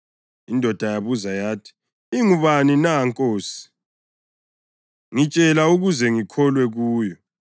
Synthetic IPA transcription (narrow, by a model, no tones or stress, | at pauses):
indʱɔd̥ʱajaβuzajaːtʰi̥ | iŋuβaninaŋkʼoːsi̥ | ŋit͡ʃʼɛlauɣuzɛŋikʰɔlwɛɣuːjɔ